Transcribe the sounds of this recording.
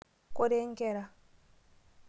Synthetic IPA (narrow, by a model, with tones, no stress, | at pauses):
ko˦ɾe˦ŋ˦kɛ˦˨ɾa˦